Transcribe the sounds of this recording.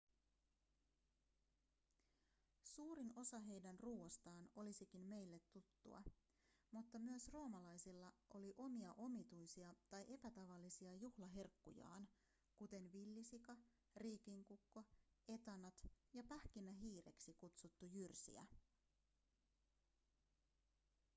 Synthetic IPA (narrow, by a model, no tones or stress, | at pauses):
suːɾino̞sɑɦe̞jdænruːost̪ɑːno̞lisik̟inme̞jlːe̞t̪ːut̪ːṵɑ̰ | mut̪ːɑmyøsro̞ːmɑlɑjsilːɑʔo̞liʔo̞miɑʔo̞mit̪ujsiɑt̪ɑjʔe̞pæt̪ɑʋɑlːisiɑjuhlɑɦe̞rkːṵjɑ̰ːn | kut̪e̞nʋilːisikɑ | riːkiŋkukːo̞e̞t̪ɑnɑt̪jɑpæhk̟inːæɦiːɾe̞̰ksikut̪sut̪ːujyrsḭæ̰